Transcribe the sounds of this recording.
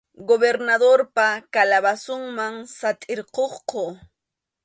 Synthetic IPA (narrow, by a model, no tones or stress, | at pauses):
ɡobeɾnad̪oɾpakalaβasʊŋmaŋsat̪ʼɪɾqoχqo